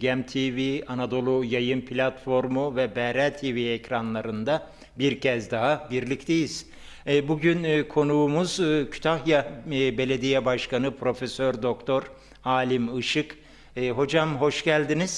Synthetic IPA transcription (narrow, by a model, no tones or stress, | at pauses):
ɟæmt̪ʰivianad̪o̞lˠujajɯnpʰilʲat̪fo̞ɾmuvɛbɛɾæt̪ʰiviɛcɾanlˠaɾɯnd̪a | biɾcʰɛzd̪aɦabiɾlʲict̪ʰejiz̥ː | buɟynːkʰo̞nuːmuzːcʰy̥t̪ʰaɦjabe̞lʲe̞d̪ijɛbaʃkanɯpʰɾo̞fesøɾd̪o̞kt̪ʰo̞ɾ | aːlʲimɯʃɯkː | ɦo̞d͡ʒamɦo̞ʃɟælʲd̪iniz̥